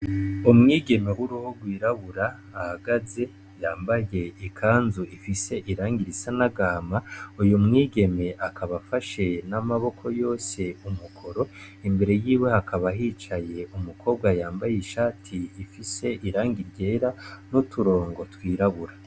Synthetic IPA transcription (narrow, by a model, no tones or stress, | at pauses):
umŋiːɡe̞me̞huɾuhoɡwiːɾaβuɾaː | haɡaze̞ | jaːmbaje̞ikʰaːnzuʔifise̞ʔiɾaːŋɡiɾisanaɡamaujumŋiːɡe̞me̞ʔakʰaβafaʃe̞namaβo̞kʰo̞jo̞ːse̞umukʰo̞ɾo̞ | imbe̞ɾe̞jiːwe̞hakʰaβaɦit͡ʃaje̞umukʰo̞ːb̚ɡwajaːmbajeiʃaːtʰiːfise̞ʔiɾaːŋɡiɾɟe̞ːɾanutuɾo̞ːŋɡo̞twiːɾaβuɾa